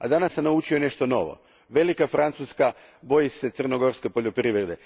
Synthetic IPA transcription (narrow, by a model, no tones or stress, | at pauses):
ad̪anasːamnaut͡ʃione̞ʃt̪o̞no̞̰ʋo̞̰ | ʋe̞likafɾant̪suska | bo̞jise̞t̪sr̩no̞ɡo̞ɾske̞po̞ʎopɾiʋɾed̪e̞